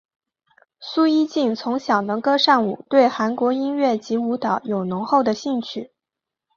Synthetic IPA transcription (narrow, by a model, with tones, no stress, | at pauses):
su˥i˥t͡ɕi˥˩nt͡sʰʊ˧˥ŋɕjɑ˨˩ʊnɤ˧˥ŋkɤ˥ʂɑ˥˩ŋu˨˩t̪we˥˩ɪxa˧˥nkwɔ˧˥i˥nɥɛ˥˩t͡ɕi˧˥u˧˥t̪ɑ˨˥ʊjo˨˩ʊnʊ˧˥ŋxo˥˩ʊd̪ə˩ɕi˥˧ŋt͡ɕʰy˥˩